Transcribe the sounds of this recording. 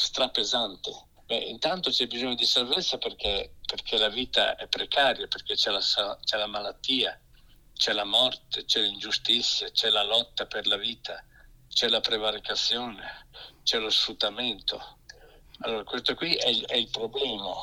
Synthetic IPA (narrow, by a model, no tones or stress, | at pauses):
st̪ɾapːezant̪e | bɛʔḭnt̪ant̪ot͡ʃɛbizoɲːod̪isalvet̪sːaperk̟eperkʰelaviːt̪a̰ɛpːɾekaːɾjaperk̟et͡ʃɛlasat͡ʃɛlamalat̪ːiːa | t͡ʃɛlamɔrt̪et͡ʃɛlind͡ʒust̪it̪sːjat͡ʃɛlalɔt̪ːaperlaviːt̪at͡ʃɛlapɾevaɾikat̪sːjoːnet͡ʃɛlosfɾut̪ːament̪o̰ | alːoːɾakwest̪okwiɛɛilpɾoblɛːma